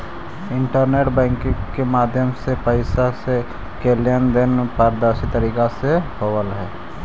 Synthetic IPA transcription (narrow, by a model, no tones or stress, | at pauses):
ɪ̃ɳʈəɾneːʈbɛ̃ːŋkkemaːd̪ʱjəmsepəɪsase | keːljənd̪ɪnpaːɾd̪aːʃit̪əɾiːkasehowəlɦɛː